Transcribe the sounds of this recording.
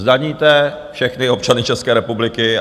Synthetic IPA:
zdaɲiːt̪ɛ | fʃɛxnɪo̞p̚t͡ʃanɪt͡ʃɛskɛːɾɛpublɪkɪ

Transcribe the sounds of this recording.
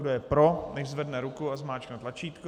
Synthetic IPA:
dojɛpɾonɛʒzvɛdnɛɾukuazmaːt͡ʃknɛt̪lat͡ʃiːt̪k

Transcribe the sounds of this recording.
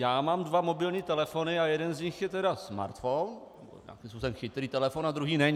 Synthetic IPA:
jaːmaːmdvamo̞bɪlɲiːt̪ɛlɛfo̞nɪajɛdɛnzɲɪxjɛt̪ɛɾasma̰ɾt̪fon | o̰ɲa̰ːkimspuːsɛmxɪt̪ɾiːt̪ɛlɛfonad̪ɾuɦiːnɛɲ

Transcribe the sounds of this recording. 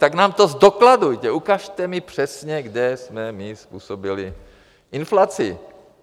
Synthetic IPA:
t̪aɡnaːmt̪ozdokladujt̪ɛukaʃt̪ɛmɪpr̝̥ɛsɲɛɡdɛsmɛmɪspuːsobɪlɪ | ʔɪnflat͡sɪ̰

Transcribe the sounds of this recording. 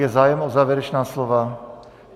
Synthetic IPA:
jɛzaːjɛmozaːvjɛɾɛt͡ʃnaːslova

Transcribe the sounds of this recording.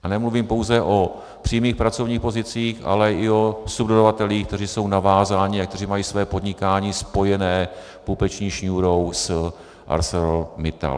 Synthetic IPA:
ʔanɛmluviːmpo̞wzɛʔo̞ | pr̥iːmiːxpɾat͡so̞vɲiːxpo̞zɪt͡siːxʔa̰lɛʔɪo̞sub̚dodavat̪ɛliːxk̚t̪ɛriːso̞wnavaːzaːɲɪak̚t̪ɛriːmajiːsvɛːpo̞dɲɪkaːɲiːspo̞jɛnɛː | pupɛt͡ʃɲiːʃɲuːɾows | ʔa̰ɾsɛɾomɪt̪a̰l

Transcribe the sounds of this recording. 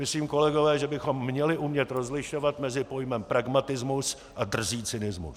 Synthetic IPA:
mɪsliːmko̞lɛɡo̞vɛːʒɛbɪxo̞mːɲɛlɪʔumɲɛt̪ɾozlɪʃo̞vat̪mɛzɪpo̞jmɛmpɾaɡmat̪ɪzmus | ʔadr̩ʒiːt͡sɪnɪzmṵs

